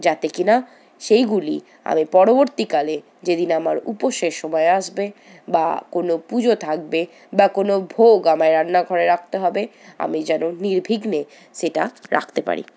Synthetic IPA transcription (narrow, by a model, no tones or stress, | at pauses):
d͡ʑat̪ekina | ʃejɡulḭ | a̰mipɔɾoboɾt̪ikale | d͡ʑed̪inamaɾṵpoʃeʃʃɔmɔeaʃbe | ba̰konopud͡ʑot̪ʰak̚be | bakonobʱoɡamaeɾanːaɡʱɔɾeɾak̚ʰt̪eɦɔbe | a̰mid͡ʑɛnoniɾbʱiɡne | ʃeʈa̰ɾa̰kʰt̪epa̰ɾḭ